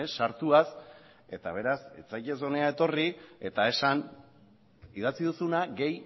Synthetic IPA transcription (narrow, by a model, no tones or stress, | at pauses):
sːaɾt̪uas | e̞̰t̪aβ̞e̞ɾaset͡sajʎe̞s̬o̞ne̞ae̞t̪o̞rie̞t̪ae̞san | iðat͡siðusunaɡe̞j